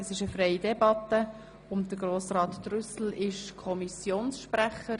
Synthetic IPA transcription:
əsɪʃəfrɛjidɛbɑt̪ə | ʊmdəɡɾoːsrɑːt̪ːrʏsl̩ɪʃkʰɔmisjoːnsʃpɾæχəɾ

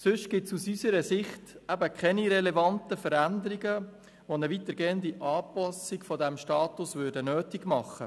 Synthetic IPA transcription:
sɵʃɡ̥ɪtsusysəɾəsɪχtæbəkʰχɛniɾɛlɛvɑntəfəɾænd̪əɾiɡə | ʋonəʋit̪əɾɡeːənd̪iʔɑːpɑsɪɡfɔdæmʃtɑːt̪usʋʏdənøːtiɡmɑχə

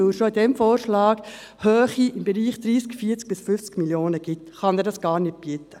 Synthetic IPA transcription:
ɵwʃoidɛmfoːɾʃlɑːɡ | hœːχiʔɪmbɛɾiːχd̪̥ɾiːskfiːəɾt͡sk̚b̥ɪsfʏft͡skɡmiljoːnəɡ̥ɪt̪χɑnɛɾdɑsɡ̥ɑːɾnɪt̚b̥it̪ːə

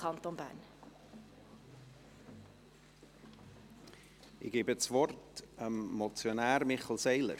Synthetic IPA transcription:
ɑntonbæ̰ːn | ɪɡ̥eːbət͡svɔrtəmːɔt͡sjonæːɾmɪχəl̩sɛɪlə̰ɾ

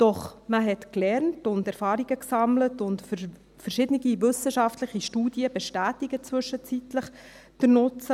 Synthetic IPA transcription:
d̥ɔχməɦɛtklɛɾntʊndɛɾfɑːɾiɡəksɑmlətʊntfə | fəɾʃɪdənɪɡiʋʏsəʃɑftləχiʃtuːdiəbɛʃtæːtiɡət͡sʋʏʃət͡sitləχ | d̥əɾnʊt͡sə

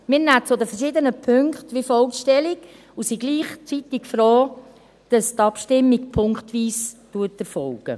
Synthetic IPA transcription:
mɪɾnæt͡sod̪əfɛɾʃɪdənəpʰøŋktʋifɔlkʃtɛliɡ | usiɡ̥liːχt͡sitɪkfɾoː | d̥ɑstɑpʃtɪmːikpʰʊŋkχtʋiːstuːtɛɾfɔlɡ̥ə̰

